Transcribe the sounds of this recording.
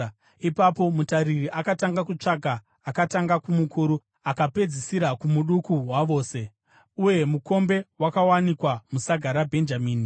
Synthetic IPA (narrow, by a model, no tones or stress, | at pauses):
ipapo̞mutaɾiriʔakataŋɡakut͡ʂaɡʱaː | kataŋɡakumukʰuɾu | akape̞d͡zisiɾakumuɗukuɦwaʋo̞ːse̞ | uje̞muko̞mbe̞wakawanikwamusaɡʱaɾabʱe̞nd͡ʒamiːni